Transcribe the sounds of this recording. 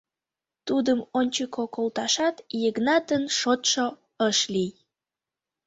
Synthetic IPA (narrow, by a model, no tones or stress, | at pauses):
t̪ud̪əmonʲt͡ɕəkokolt̪ɑʃɑt̪jəɣnɑt̪ənʃot̪ʃo | əʃlij